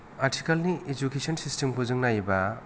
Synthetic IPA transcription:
aɾtʰikalniʔed͡ʒukesɔnsistempʰuzɯŋnajba

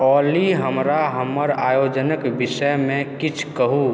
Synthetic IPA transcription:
ɔːliɦəmɾaɦəmːəɾaːjoːd͡ʒənəkbɪsəjmẽkit͡ʃʰkəɦu

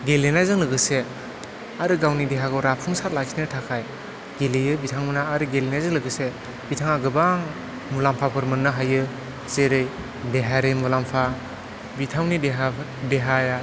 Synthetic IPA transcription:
ɡelenajzɯŋlɯɡɯse | aɾɯɡawnideɦaɡɯɾapʰuŋsat̚lakʰinɯtʰakʰaj | ɡelijɯbitʰaŋɯnaːɾɯɡelenajzɯŋlɯɡɯse | bitʰaŋaɡɯbaŋ | mulampʰapʰɯɾmɯnːɯɦajɯ | zeɾɯj | deɦaɾɯjmulampʰa | bitʰawnideɦa | deɦaja

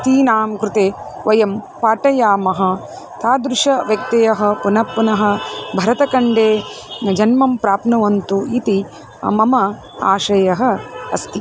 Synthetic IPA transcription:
t̪iːnaːmkɾɪt̪eː | ʋɐjɐm | paːʈɐjaːmɐɦɐ̆ | t̪ʰaːd̪ɾʊʂɐʋjɐk̚t̪ɐjɐɦɐ̆punɐpːunɐɦɐ̆bʱɐɾɐt̪ɐkɐɳɖeːd͡ʒɐnmɐmpɾaːpnɐʋɐnt̪uit̪i | mɐmɐ | a̰ːʃɐjɐɦɐ̆ɐ̰st̪i

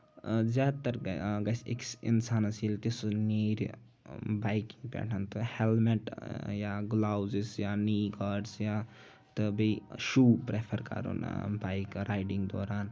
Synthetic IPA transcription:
zjaːd̪t̪ɐɾɡɐsḛksḭnsaːnɐsilt̪isuniːɾ | baːjkĩŋɡpɛ̰ːʈʰɐnt̪ɨhelmeʈjaːɡlaːwzisjaːniːɡaːɾɖsja | t̪ɨbiʃuːpɾepʰɐɾkɐ̰ɾṵnbaːjkɾaːjɖiŋɡd̪ɔ̰ːɾaːn

